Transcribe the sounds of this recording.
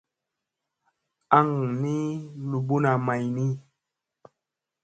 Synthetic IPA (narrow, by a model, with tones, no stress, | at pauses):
a˦˨ŋni˦lu˨bu˦na˨ma˨jni˦